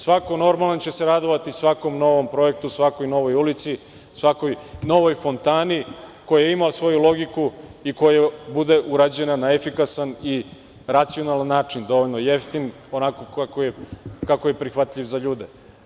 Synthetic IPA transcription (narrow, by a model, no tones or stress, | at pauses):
sʋako̞no̞ɾmalant͡ɕe̞se̞ɾad̪oʋat̪isʋako̞mno̞ʋo̞mpɾo̞ek̚t̪usʋako̞jno̞ʋo̞julit̪si | sʋako̞jno̞ʋo̞jfo̞nt̪aːnikojajeimaosʋo̞julˠo̞ɡikuiko̞jabud̪eʔuɾad͡ʑe̞nanaefikasani | ɾat̪sio̞nalanːaːt͡ʂind̪o̞ʋoʎʲno̞jeft̪in | o̞nakokakojekakojepɾixʋat̪ʎʲiʋzaʎuːd̪e